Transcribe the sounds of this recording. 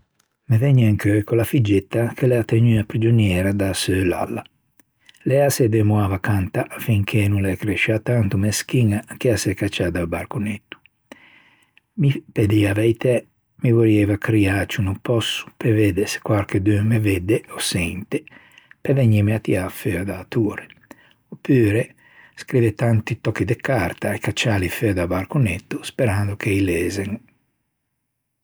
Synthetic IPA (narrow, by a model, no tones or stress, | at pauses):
mevɛɲːeŋkøkolafid͡ʒːet̪ːakʰelɛat̪eɲyapɾid͡ʒonjɛːɾad̪asøla̰lːa | lɛasɛd̪emwavakant̪aʔafiŋkʰenuŋlɛkɾeʃat̪ant̪umesk̟iŋak̟easɛkat͡ʃːad̪albaɾkunet̪ːu̥ | miped̪iavɛjt̪ʰɛ | mivoɾiɛvakɾiat͡ʃunumpɔsːu̥peveːd̪ese̥kwaɾked̪yːmeved̪eɔsɛnt̪e | peveɲimeat̪iafød̪aːt̪uːɾe | opːyːɾe | skɾivɛt̪ant̪it̪ɔkːid̪ekaɾt̪aekat͡ʃːaːlifɛd̪abaɾkunet̪ːuspeɾand̪ukʰeilɛːzeŋ